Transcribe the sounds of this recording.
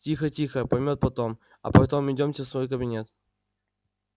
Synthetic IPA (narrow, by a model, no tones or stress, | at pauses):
tʲixətʲixəpɐjmʲo̞t̪̚pɐt̪o̞m | ɐ̰pɐt̪omɪdʲomʲsʲəsvo̞jk̬əbʲɪnʲe̞t̪